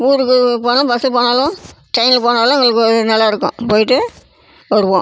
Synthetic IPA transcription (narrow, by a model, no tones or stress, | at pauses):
uːɾɯkːɯpoːnõbɐsɪlpoːnaːlõ | ʈɐɪnɪlpoːnaːlõʊŋɡɐɭɯk̬ːɯɯnɐlːaːɪɾɯkːʊ̰̃poːjɪʈ̬ːɯ | ʋɐɾɯʋõ